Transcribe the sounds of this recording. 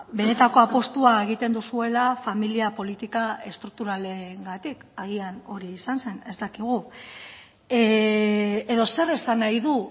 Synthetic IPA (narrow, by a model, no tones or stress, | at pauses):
be̞ne̞t̪ako̞apo̞st̪uae̞ɣ̞it̪e̞nd̪usue̞lafamiliapo̞lit̪ikae̞st̪ɾuk̚t̪uɾaleŋɡat̪ikaɣ̞iano̞ɾiːsanse̞ne̞st̪akiɣ̞u | e̞ðo̞se̞ɾesanajðu